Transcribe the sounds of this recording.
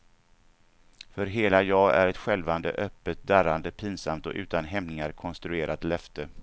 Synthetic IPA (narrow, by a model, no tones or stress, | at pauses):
fœɾɦeːlajɑːæ̰ɾɛt̪ɧɛlvand̪ə̰ʔœpːət̪̚d̪æɾand̪əpʰɪnsamt̪ɔ̰ʔʉ̟ːt̪anɦɛmnɪŋaɾkʰɔnst̪ɾɵeːɾʔat̪lɛft̪ə